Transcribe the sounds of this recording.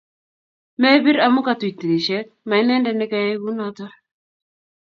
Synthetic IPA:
me˦bi˦ɾa˨mu˦ka˨twi˨ti˨ɾi˨ʃɛ˦ | ma˨i˦nɛ˦ndɛ˨nɪ˦ka˨je˦ɡu˦na˦tɔ˦

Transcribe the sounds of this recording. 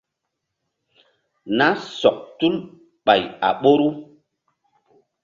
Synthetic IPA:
na˦sɔ˨k̚tu˦l | ɓa˨ja̰˨ɓo˦ɾu˦

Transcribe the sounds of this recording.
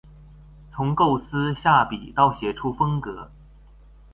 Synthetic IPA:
t͡sʰʊ˧˥ŋko˥˩ʊsɹ̩˥ɕja˥˩pi˨˩t̪ɑ˥˩ʊɕjɛ˨˩ʈ͡ʂʰu˥fɤ˥ŋkɤ˧˥

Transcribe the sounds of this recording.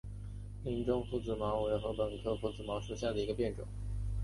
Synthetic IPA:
mi˧˥nʈ͡ʂʊ˥ŋfu˧˥˩t͡sɹ̩˨˩mɑ˧˥we˧˥ɪxɤ˧˥pə˨˩nkʰɤ˥fu˧˩t͡sɹ̩˨˩mɑ˧˥ʊʂu˨˥˩ɕja˥˩d̪ə˩i˧˥ɡə˧pjɛ˥˩nʈ͡ʂʊ̰˨˩˦ŋ

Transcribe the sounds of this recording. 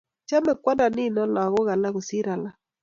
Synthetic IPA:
t͡ʃa˦me˨kwa˦na˨nɪ˦˨nɔ˦la˨a˨ɣo˦ɣa˨la˦ɣo˨si˦ɾa˨la˦

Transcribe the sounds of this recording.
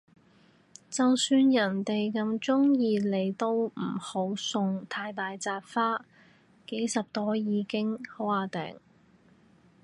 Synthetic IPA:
t͡sɐ˨wsyː˧njɐ˨˩nt̪e˨jkɐ˧mt͡sʊ˥ŋjiː˧le˨˩jt̪o˧w̩˨˩ho˨˥wsʊ˨˧ŋt̪ʰaː˧jt̪aː˨jt͡saː˧p̚faː˥ | ke˨˥jsɐ˨p̚t̪ɔː˥jiː˨˧kɪ˥ŋho˨˥waː˨˧˩t̪ɛ̰ː˨˩ŋ

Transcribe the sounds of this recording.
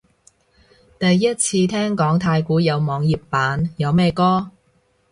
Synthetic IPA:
t̪ɐ˨jːɐ˥t̚t͡sʰiː˧t̪ʰɛː˥ŋkɔː˨˥ŋt̪ʰaː˧jkuː˨˥jɐ˨˧wmɔː˨˧ŋjiː˨pːaː˨˥njɐ˨˧wmɛː˥˧jkɔː˥

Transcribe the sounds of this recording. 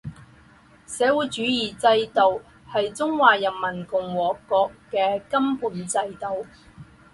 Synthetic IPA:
sɛː˨˥wuː˨˥jt͡ʃyː˨˥jiː˨˩t͡sɐ˧jt̪o˨w | hɐ˨jt͡sʊ˥ŋwaː˨jɐ˨nmɐ˨˩nkʊ˨˩ŋwɔː˨˩kɔː˧kːɛː˧kɐ˥mpuː˨˥nt͡sɐ˧jt̪o˨˧w

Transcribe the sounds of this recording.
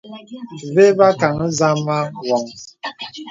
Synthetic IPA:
βe˦βa˦ka˨ŋ˦za˦ma˦wɔ˨ŋ

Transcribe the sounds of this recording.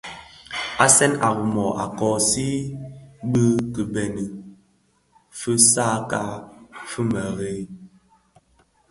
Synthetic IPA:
a˦sɛ˦na˨ɣu˨mɔ˨ʔa̰˨kɔː˨si˦ | bə˦kə˨bɛ˨nə˨ | fə˦sa˦ka˦fə˦mə˨ɣe˨˦

